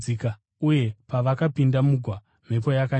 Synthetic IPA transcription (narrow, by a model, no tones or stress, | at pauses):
ika | uje̞paʋakapindamuɡʱwa | m̤e̞pojaka